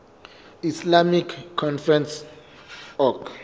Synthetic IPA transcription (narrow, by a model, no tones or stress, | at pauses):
islamikʰːɔnfɾɛns | ɔk